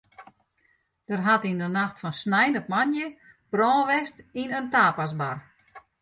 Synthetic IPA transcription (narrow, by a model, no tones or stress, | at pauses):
d̥ərɦatindənaxtfɔnsnɛjnəp̚manjə | b̥rɔːʋɛstinəntaːpas̬bar